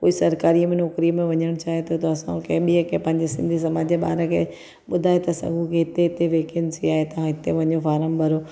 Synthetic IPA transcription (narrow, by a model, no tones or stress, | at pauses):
ko̰ːisɐɾkaːɾimẽnɔːkɾimẽʋɐɲəɽ̃t͡ɕʰaːɦet̪ʰot̪ɐɐsã̰kɐ̃ɦɪ̃ɓiəkẽpɐ̃ɦɪ̃ɲd͡ʑesɪ̃nd̪ʱisɐmaːd͡ʑeɓa̰ːɾəkʰḛ | ɓʊd̪ʱaːet̪ɐsɐ̰ɡʱũkʰeɦɪt̪eɦɪt̪eʋeːkɪnsʰiaːɦet̪ɐãɦɪt̪eʋɐɲofaːɾəmbʱɐɾoː